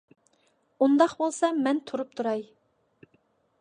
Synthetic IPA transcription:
und̪ɑqbolˠsɑmɛnt̪ʰuɾup̚t̪ʰuɾɑj

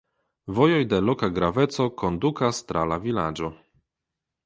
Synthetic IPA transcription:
vɔjɔjd̪ɛlɔkaɡɾavɛt̪sɔkɔnd̪ukast̪ɾʔalavʲilad͡ʒɔ

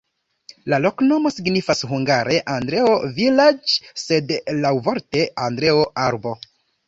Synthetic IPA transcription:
lalo̞kno̞mo̞siɡnifasɦuŋɡaɾe̞ʔandɾe̞ovilad͡ʒse̞dlawvo̞ɾte̞ʔandɾe̞oʔaɾbo̞

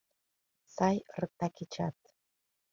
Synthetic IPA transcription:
sɑjrək̚t̪ɑket͡ɕɑt̪̚

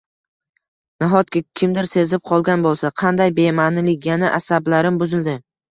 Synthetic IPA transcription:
naɦɒt̪kʲakʲʰɪmd̪ɪɾse̞zɪp̚qʰɒlˠɡʲanbolˠsaqʰɑnd̪ajbe̞manɪlɪkʲjanaʔasablaɾɪmbʊzɪld̪ɪ

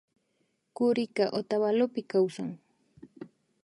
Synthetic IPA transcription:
kʊɾɪkaʔot̪aβalopɪkawsaŋ

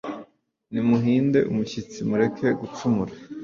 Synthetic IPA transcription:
nimuɦiːnde̞̰ʔumuçit͡simuɾe̞kʰe̞ɡut͡ʃumuɾa

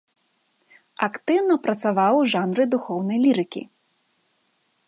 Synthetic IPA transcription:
akt̪ɨwnɐpɾɐt̪savawʐanɾɨd̪uxɔwn̪ɐjlʲiɾɨkʲḭ

